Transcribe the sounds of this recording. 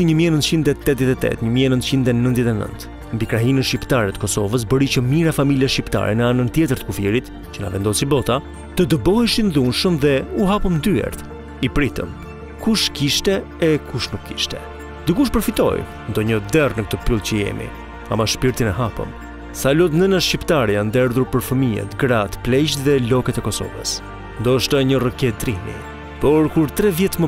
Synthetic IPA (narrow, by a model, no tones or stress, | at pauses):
iɲəmiɛnənt̪t͡ɕind̪ɛt̪ɛt̪̚ðjɛt̪ɛt̪ɛ̰t̪ɲəmiɛnənt̪t͡ɕind̪ɛnə̃nt̪ðjɛt̪ɛnə̰nt̪ | mbikɾaɦinənʃipt̪aɾɛt̪ə̥kɔsɔvəs̬bəɾit͡ɕəmiɾafamiljaʃipt̪a̰ɾɛ̰nəanənt̪jɛt̪əɾt̪ə̥kufiɾit̪ | t͡ɕəna̰vɛnd̪ɔsibɔt̪a | t̪əd̪əbɔhɛʃinðunʃəmðɛuɦapəmnd̪yɛ̰ɾt̪ | ipɾit̪ə̰m | kuʃkiʃt̪ɛː | kʰuʃnukʰːiʃt̪ɛ̰ | d̪ikuʃ̬pəɾfit̪ɔ̰j | nd̪ɔɲəd̪ɛrnək̚t̪əpylˠt͡ɕəjɛ̰mḭ | a̰maʃpiɾt̪inɛɦapə̰m | salɔt̪nənaʃcipt̪aɾijand̪ɛɾðuɾpəɾfəmiɛ̰t̪ɡɾat̪plɛt͡ɕt̪ðɛlɔkɛt̪ɛkɔsɔ̰və̰s | nd̪ɔʃt̪aɲərəkɛt̪ɾimḭ | pɔɾkuɾt̪ɾɛvjɛt̪mə